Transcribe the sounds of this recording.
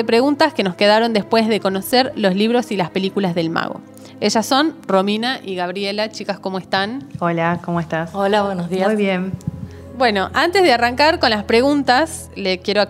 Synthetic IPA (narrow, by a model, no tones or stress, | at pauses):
epɾe̞ɣunt̪askeno̞ske̞ðaɾo̞nd̪e̞spwe̞zðe̞ko̞nose̞ɾlo̞zliβ̞ɾo̞silaspe̞likulazðe̞lma̰ɣo̞̰ | e̞ʒasːo̞nro̞minaʔiɣaβɾjelat͡ʃikasko̞moest̪anolakomoest̪asolaβwenozðiajβjen | bwe̞no̞ʔant̪ezðearaŋkaɾko̞nlaspɾe̞ɣunt̪as | lekje̞ɾo